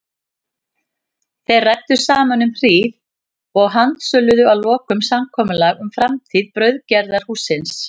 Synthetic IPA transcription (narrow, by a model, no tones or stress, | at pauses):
θejrɛk̚t̪ʏ̥saːmanʏmr̥iːð | ɔɣɦant̪sœlːʏðʏawlɔːkʏmsamkʰɔːmʏlaɣʏmfɾamt̪ʰiːðpɾœɥðcɛɾðaɾ̥huːsɪns